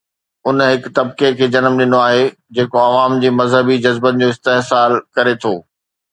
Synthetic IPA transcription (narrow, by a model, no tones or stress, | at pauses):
ʊnɦɪkt̪ɐb̚kekʰeːd͡ʑɐnmɗɪnoaːɦe | d͡ʑeːkoɐʋaːmd͡ʑeːmɐzɦəbid͡ʑɐzbənɪ̆d͡ʑoːɪst̪eɦsaːlkɐɾet̪ʰoː